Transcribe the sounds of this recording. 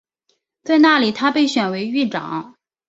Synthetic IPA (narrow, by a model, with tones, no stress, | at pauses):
t͡sa˥˧ɪna˥˩li˨˩t̪ʰa˥pe˥˩ɪɕɥɛ˨˩nwe˧˥ɪy˥˩ʈ͡ʂɑ̰˨˩˦ŋ